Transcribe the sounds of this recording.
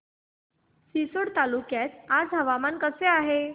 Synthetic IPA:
sisoɽt̪alukjat͡sad͡zɦəʋamankəseaɦe

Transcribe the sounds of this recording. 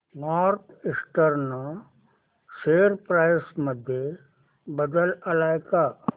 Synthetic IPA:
naːɾkɪsʈəɾnə | ʃeːɾpɾaːjsməd̪ʱje | bəd̪əlɐlaːjka

